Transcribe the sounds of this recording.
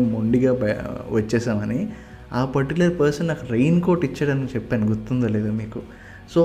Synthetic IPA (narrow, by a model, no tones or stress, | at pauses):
muɳɖiɡa̰ːʋɐt͡ʃːɛːsaːmɐni | aːpɐʈːilepɐɾsɐnnakɐɾejnkoːɾʈit͡ʃːaːɽɐnit͡ʃepːaːniɡut̪ːund̪oleːd̪umiːku | soː